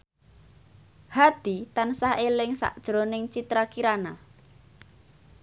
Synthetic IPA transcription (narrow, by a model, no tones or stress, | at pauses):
had̪̥i̤t̪ansaɦelɪŋsa̰ʔd̥ʒ̥ɾonɪŋt͡ʃit̪ɾakiɾana